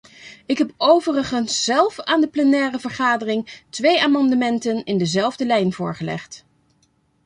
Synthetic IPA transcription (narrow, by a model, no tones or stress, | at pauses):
ɪkɦɛpowvərəχənsːɛlˠfaːndəplɛnɛːrəvəɹχaːdərɪŋtʋejaːmɑndəmɛntənɪndəzɛlˠvdəlɛjnvʊːɹχəlɛ̰χt